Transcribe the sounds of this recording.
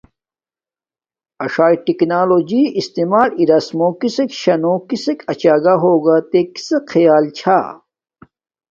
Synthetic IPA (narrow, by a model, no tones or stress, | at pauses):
ɐʂaːiʈiknaːloːd͡ʑiːʔist̪eːmaːliɾɐsmokisekɕɐnokisekɐt͡ɕaːɡaɦoːɡaːt̪eki̥sekʰɐjaːlt͡ɕʰa̰ː